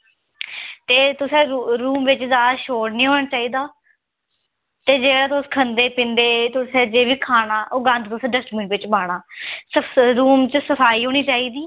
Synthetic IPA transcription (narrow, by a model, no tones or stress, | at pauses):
t̪eːt̪ʊsẽːɾuːmʋɪt͡ʃzjaːd̪aːʃoːɽnĩːɦoːɳaːt͡ʃaːiːd̪aː | t̪eːd͡ʒeːɽaːt̪̬ʊskʰənd̪eːpɪ̃nd̪eːt̪ʊsẽːd͡ʒeːʋiːkʰaːnaːʔoːɡə̃nd̪t̪ʊsẽːɖəsʈmɪ̃ʋɪt͡ʃbaːɽaːsəɾuːmt͡ʃəsəpʰaːiːɦoːɽ̃iːt͡ʃaːiːd̪iː